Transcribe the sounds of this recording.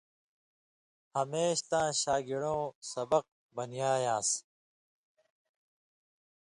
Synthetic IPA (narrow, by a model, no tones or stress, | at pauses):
hɐmeːɕt̪ãːɕaːɡiɽõːsɐbɐq̚ | bɐnjaːjãːs